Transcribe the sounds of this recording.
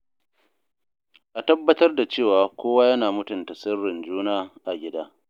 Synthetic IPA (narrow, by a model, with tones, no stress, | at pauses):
ʔa˨tɐ˦bːɐ˦tɐ˦rda˨t͡ʃeː˦˨waː˨kʷoː˦waː˦jɐ˦naː˨mʊ˦tʊ˨ntɐ˨sɪ˦rːɪ˨nd͡ʒuː˦naː˦ʔa˨ɡʲɪ˦daː˦